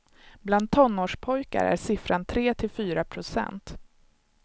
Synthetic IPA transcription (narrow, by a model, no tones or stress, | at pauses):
bland̪̚t̪ʰɔnːoːʂpʰɔjka̰ɾə̰æ̰ɾʂɪfɾant̪ʰɾeːt̪ʰɪlfyːɾapʰɾʊsɛ̰nt̪